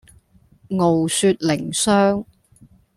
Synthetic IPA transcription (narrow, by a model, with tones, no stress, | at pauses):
ŋo˨wsyː˧t̚lɪ˨˩ŋsœː˥ŋ